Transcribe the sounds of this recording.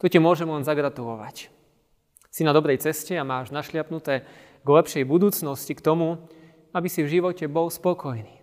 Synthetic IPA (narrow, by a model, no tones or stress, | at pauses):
t̪ɔcimʊɔʒɛmlɛnzaɡɾat̪ulɔʋa̰c | sinad̪ɔbɾɛjt͡sɛscɛamaːʒnaʃlɪapnut̪ɛː | ɡlɛpʃɛjbud̪uːt͡snɔscikt̪ɔmu | abisivʒiʋɔcɛbɔlspɔkɔjniː